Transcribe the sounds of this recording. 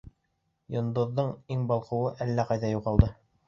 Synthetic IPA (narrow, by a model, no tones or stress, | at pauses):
jŏnd̪ŏðːɤɴiŋbɑlˠqɤ̆wɤʔælːæqɑjðæjuʁɑlˠd̪ɤ